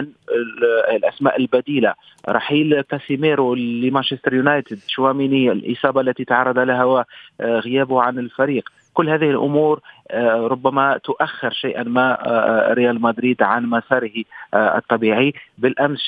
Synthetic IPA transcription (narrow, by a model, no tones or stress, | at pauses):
n | lʔasma̰ːʔɪlbad̪iːla | ɾˤɑ̰ħiːlkæsimeːɾuimanʃɪst̪ɾjunajt̪ɪd̪ʃʊwamiːniɪlʔɪ̰sˤɑːbɑʔlːæt̪it̪aʕɑrˤːɑd̪ˤalaɦawaɣɪjæːbʊhʕanɪlfaɾiːq | kʊlːhæːðɪhɪlʔʊ̰muːɾɾˤʊbːamat̪ʊʔaxːɪɾʃajʔa̰nmaɾɪjaːlmad̪ɾiːd̪ʕanmasɑːɾɪhɨ̰t̪ˤːɑbiːʕibɪlʔams